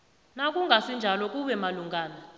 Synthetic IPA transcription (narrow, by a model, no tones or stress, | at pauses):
nak̬ʼuŋɡʱasind͡ʒʱalɔk̬ʼuɓɛmaluŋɡʱaːna